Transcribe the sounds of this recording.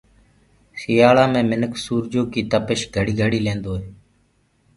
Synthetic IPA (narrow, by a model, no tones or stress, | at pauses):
xɪjaːlãːmẽːmɪnəksuːɾd͡ʒoːkiːt̪əpəʃɡʱəɽiːɡʱəɽiːlẽːnd̪oːɦeː